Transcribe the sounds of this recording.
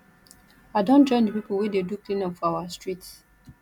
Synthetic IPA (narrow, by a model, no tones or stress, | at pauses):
aɪdɔ̃nd͡ʒɔ̃ɪ̃ndipipulwededuklĩnɔ̃fɔawastɹit